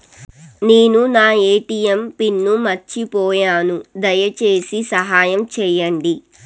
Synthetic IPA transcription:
neːnunaːeːʈijɐmpinːumɐt͡ʃipɔːjaːnud̪ɐjɐt͡ʃeːsisɐɦaːjɐmt͡ʃɛːjɐɳɖi

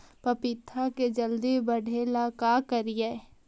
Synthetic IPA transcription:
pɐpɪt̪ʰːaked͡ʒəld̪ibəɽʱeːlakaːkɐɾijeː

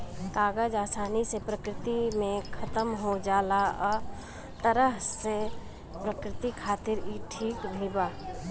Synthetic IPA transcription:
kaːɡəd͡ʒaːsaːnisepɾəkɾɪt̪imẽkʰɐt̪əmɦod͡ʒaːlaɔː | t̪əɾəɦse | pɾəkɾɪt̪ikʰaːt̪ɪɾiːʈʰiːkb̪ʱiːbaː

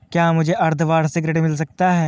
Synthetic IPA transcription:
kjaːmʊd͡ʒʱeʔɐɾd̪ʰʱʋaːɽsɪɡɾeːɖmɪls̬ɐk̚t̪aɦɛː

